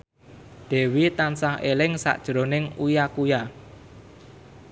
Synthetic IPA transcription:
d̪̥ɛ̤wit̪ansahelɪŋsa̰ʔd̥ʒ̥ɾo̤nɪŋujakuja

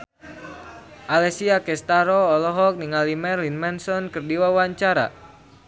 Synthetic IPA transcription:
ʔalɛsiakɛst̪aɾɔːlɔɦɔk̚niŋalimɛrlinmɛnsɔnkɨrdiwawaɲt͡ʃaɾa̰

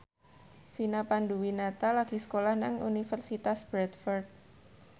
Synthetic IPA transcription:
finapanduwinat̪alaɡ̥i̤sə̥kolahnaŋunifərsit̪asb̥ɾɛt̪fɔrd̪̚

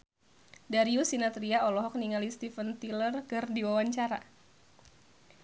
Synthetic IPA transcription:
daɾiusinat̪ɾiaɔlɔɦɔk̚niŋalist̪ifənt̪ilərkɨrdiwawaɲt͡ʃaɾa̰

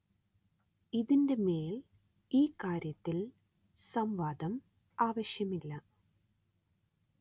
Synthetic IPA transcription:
iðinde̞meːl | iːkaːɾjɐt̪ːil | sɐmʋaːd̪ɐm | aːʋɐɕjɐmilːɐ

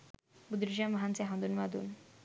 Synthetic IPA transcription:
bud̪ɾid͡ʑamʋaɦant͡seɦãnd̪unʋad̪ṵːn

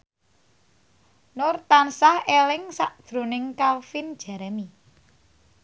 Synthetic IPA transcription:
nʊrt̪ansahelɪŋsaʔd̥ʒ̥ɾonɪŋkalfind̥ʒ̥a̤ɾɛmi

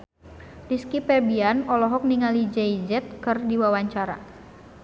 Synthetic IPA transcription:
diskipɛbianɔlɔɦɔk̚niŋalid͡ʒɛjd͡ʒɛt̪̚kɨrdiwawaɲt͡ʃaɾa̰

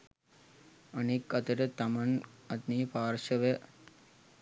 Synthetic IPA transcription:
ɐnikːɐt̪ɐʈet̪ɐmɐnɐt̪niːpaːɾʃɐʋe

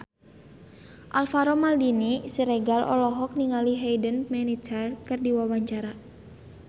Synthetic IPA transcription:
ʔalfaɾɔmaldinisiɾɛɡalʔɔ̰lɔɦɔk̚niŋaliɦejdənmɛnit͡ʃərkɨrdiwawaɲt͡ʃaɾa

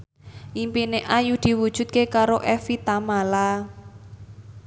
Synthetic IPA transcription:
ʔimpineʔajud̪̥i̤wud̥ʒ̥ṳd̪̚kekaɾoʔɛfit̪amala

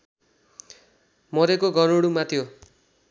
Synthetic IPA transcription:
mʌɾekoɡʱʌnoɽumat̪ʰjo

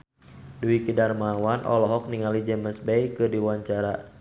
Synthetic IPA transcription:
duikidarmawanʔɔ̰lɔɦɔk̚niŋalid͡ʒɛməsbɛjkɨrdiwaɲt͡ʃaɾa

